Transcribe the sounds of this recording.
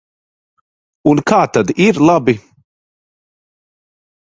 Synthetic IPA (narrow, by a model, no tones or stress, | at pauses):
unkaːt̪ad̪iɾlˠabi